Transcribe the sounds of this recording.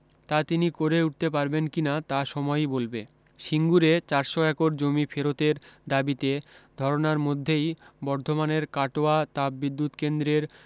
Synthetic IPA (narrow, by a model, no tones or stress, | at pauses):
t̪at̪inikoɾeuʈ̚t̪ep̬aɾbenkinat̪aʃɔmɔjbolbe | ʃiŋɡuɾet͡ɕaɾʃɔɛkoɾd͡ʑomifʰeɾot̪eɾd̪abit̪ed̪ʱɔɾonaɾmod̪ʱːejbɔɾd̪ʱomaneɾkaʈoat̪abbid̪ːut̪kend̪ɾeɾ